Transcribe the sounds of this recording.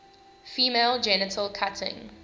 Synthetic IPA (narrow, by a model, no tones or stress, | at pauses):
fiːmeːlˠd͡ʒɛnɪtʰəlˠkʰatʰɪ̰̃ŋ